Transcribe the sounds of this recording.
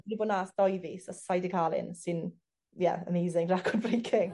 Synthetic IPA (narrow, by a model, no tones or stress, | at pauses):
ɾiboːnasd̥ɔjvisasajdɪkʰalˠɪ̰nsɪn | jɛ̰ə̰mejzɪŋrakʰɔdbrejkʰɪŋ